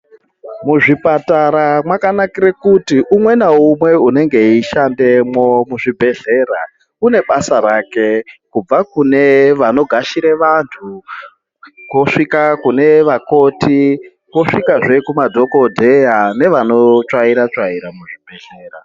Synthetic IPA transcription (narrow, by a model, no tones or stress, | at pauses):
muʐipataɾamwakanakiɾekutiʔumwe̞naumwe̞une̞ŋɡe̞iʃande̞mwo̞muʐibʱe̞ɮe̞ːɾa | kune̞ɓasaɾaːke̞kub͡vakune̞ʋano̞ɡʱaʃiɾeʋantʰu | koʂikakune̞ʋako̞ti | koʂikaʐe̞kumadʱo̞ko̞dʱe̞jane̞ʋano̞t͡ʂwaiɾat͡ʂaiɾamuʐibʱe̞ɮe̞ːra